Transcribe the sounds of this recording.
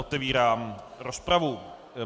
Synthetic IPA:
ot̪ɛviːɾaːmɾospɾavu

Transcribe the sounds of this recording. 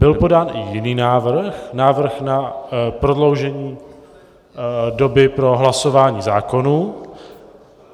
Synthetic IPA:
bɪlpo̞daːn̰jɪniːnaːvr̩xnaːvr̩xnapɾo̞dlo̞wʒɛɲiː | do̞bɪpɾo̞ɦlaso̞vaːɲiːzaːko̞nu

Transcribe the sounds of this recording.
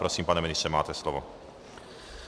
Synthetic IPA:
pɾosiːmpanɛministt͡ʃɛma̰ːt̪ɛslɔvɔ̰

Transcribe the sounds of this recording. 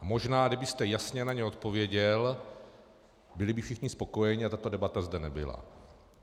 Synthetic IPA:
mo̞ʒnaːdɪbɪst̪ɛjasɲɛnaɲɛo̞t̪̚po̞vjɛɟɛl | bɪlɪbɪfʃɪxɲɪspo̞ko̞jɛɲiat̪at̪o̞dɛbat̪azdɛnɛbɪ̰la̰

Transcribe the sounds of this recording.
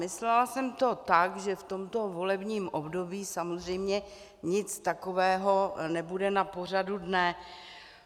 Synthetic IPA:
ɪslɛlasɛmt̪o̞t̪akʒɛft̪o̞mt̪o̞vo̞lɛbɲiːmʔobdobiːsamozr̝ɛjmɲɛ | ɲɪt͡st̪ako̞vɛːɦo̞nɛbudɛnapo̞r̝adudnɛ

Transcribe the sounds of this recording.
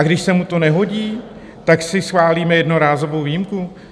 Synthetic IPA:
aɡdɪʃsɛmut̪o̞nɛɦo̞ɟiː | t̪aksɪsxvaːliːmɛjɛdno̞ɾaːzo̞vowviːimku

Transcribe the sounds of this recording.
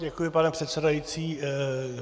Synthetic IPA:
ɟɛkujɪpanɛpr̥ɛt̪sɛdajit͡siː

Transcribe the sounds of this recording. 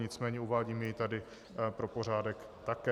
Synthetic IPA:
ɲɪt͡smɛːɲɛuvaːɟiːmjɛjɪt̪adɪ | pɾopo̞ɾ̝aːdɛk | t̪akɛ

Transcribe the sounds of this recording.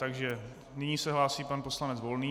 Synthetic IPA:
t̪aɡʒɛ | nɪɲisɛɦlaːsiːpanpo̞slanɛt͡svo̞lniː

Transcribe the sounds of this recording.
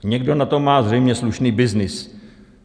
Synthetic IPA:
ɲɛɡdo̞nat̪o̞mːaːzrɛjmɲɛsluʃniːbɪznɪs

